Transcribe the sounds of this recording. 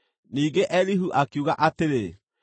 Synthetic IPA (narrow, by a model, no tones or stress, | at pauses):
niːɡeʔɛliɦuʔakiuɣaʔateɾe